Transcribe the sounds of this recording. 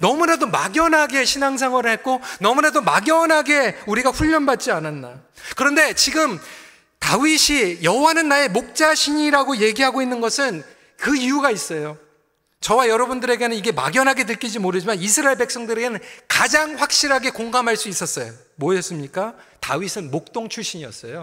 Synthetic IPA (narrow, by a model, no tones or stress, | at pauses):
nʌmunadomaɡjʌnɦaɡe̞ɕʰinaŋs̬ʰaŋwʌɾɯɭhet̚k͈onʌmunadomaɡjʌnɦaɡe̞uɾiɡaɸuʎːʌnbat̚t͡ɕ͈iananːa | kɯɾʌnde̞t͡ɕiɡɯm | tawiɕʰijʌɦowanɯnːae̞mok̚t͡ɕ͈aɕʰiɲiɾaɡoje̞ɡiɦaɡoinːɯnɡʌsʰɯn | kɯijuɡais͈ʌjo | t͡ɕʌwajʌɾʌbundɯɾe̞ɡe̞nɯniɡe̞ma̰ɡjʌnɦaɡe̞tɯɭk͈id͡ʑimoɾɯd͡ʑimanisʰɯɾaeɭbe̞ks͈ʌŋdɯɾeɡenɯnkad͡ʑaŋɸwak̚ɕ͈iɾɦaɡe̞koŋɡamɦaɭs͈uis͈ʌs͈ʌjo | moʌs͈ɯmɲik͈atawɥisʰɯnmok̚t͈oŋt͡ɕʰuɕ͈ʰiɲiʌ̰s͈ʌjo